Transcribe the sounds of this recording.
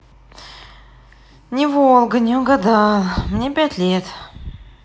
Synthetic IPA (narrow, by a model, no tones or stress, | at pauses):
nʲɪvolˠɡənʲɪʊɡad̪ɑlˠmnʲe̞pʲætʲlʲet̪